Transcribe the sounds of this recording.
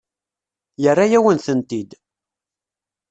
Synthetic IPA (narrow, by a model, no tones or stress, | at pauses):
jərːajæwənθənt̪id̪